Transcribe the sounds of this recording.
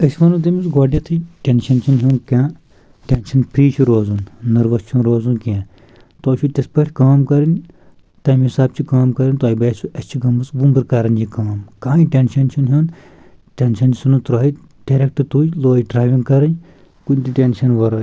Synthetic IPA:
ɐsʋɐnut̪̬ɐmisɡaːɖjɐ̃t̪ʰɨʈʲenʃɐnt͡ʃʰɐnɦʲiːnkʲãː | ʈʲenʃɐnpʰɾiːt͡ʃʰuɾoːzunːɐɾʋɐst͡ʃʰũnɾoːzunkãː | t̪oːʃʰut̪ʲɐspɐʈʰʲkaːmkɐɾɐnʲ | t̪ɐːmɦisaːb̚t͡ʃʰikaːmkɐɾɐnʲt̪oːibɐːsuʔɐst͡ʃʰiɡɐmɨsbumbɨɾkɐɾɐnjikaːmkaːĩʈʲenʃɐnt͡ʃʰunɦʲuːn | ʈʲenʃɐnd͡ʒisunut̪ɾaːi | ɖ̥eɾek̚ʈɨt̪uːd͡ʒloːiɖɾaːʋĩŋɡkɐɾɐn | kunʲt̪iʈʲenʃɐnʋɐɾɐ

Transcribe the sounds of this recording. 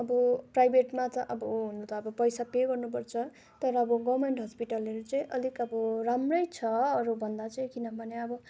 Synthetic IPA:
ʌbʌprajbʱeʈmat͡sʌʔʌbʌɦunut͡s̪ʰʌːbʌpʌjsapeɡʌrnup̬ʌrt͡sʰʌ | t̪ʌɾʌːbʌɡʌrmeɳʈɦʌspiʈalʌɾut͡sʌĩʔʌlikʌbʌɾamrʌjt͡sʰʌːɾubʱʌnd̪at͡sʌj̃kinʌbʱʌneʌbʌ

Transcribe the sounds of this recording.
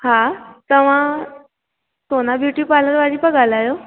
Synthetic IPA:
hãt̪əʋ̤a | sonabʱjuʈiːpaləɾʋaɽiːpəɡalajo

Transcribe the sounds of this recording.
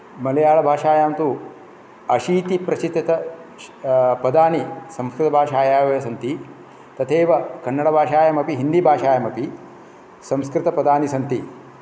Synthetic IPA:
mɐlɐjaːɭɐbʱaːʂaːjaːnt̪u | ɐʃiːt̪ipɾɐsit̪ːɐt̪ɐ | pɐd̪aːnisɐ̃mskɾɪt̪ɐbʱaːʂaːjaːʋɐɐsɐnt̪i | t̪ɐt̪ʰeːʋɐkɐnːɐɽɐbʱaːʃaːjɐmɐpiɦind̪ibʱaːʃaːjɐmɐpi | sɐmskɾɪt̪ɐpɐd̪aːnisɐnt̪i

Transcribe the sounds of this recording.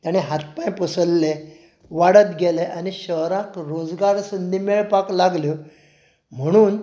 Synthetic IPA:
t̪jañeɦat̪̚pãj̃pəsəlːe | ʋaɽət̪ɡɛleʔaniɕəɦɾãkɾod͡zɡaɾsənd̪ʱimeɭpaklaɡljə | m̤əɽ̃uːn

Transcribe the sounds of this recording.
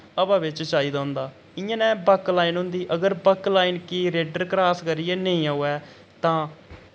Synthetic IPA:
əbãːʋɪt͡ʃt͡ʃaːiːd̪aːʊ̃nd̪aː | ɪãːnɛ̃ːbəklaːiːnɦʊ̃nd̪iːʔəɡəɾbəklaːiːnkiːɾeːɖəɾkɾaːskəɾiɛːneĩːaːɛː | t̪ãː

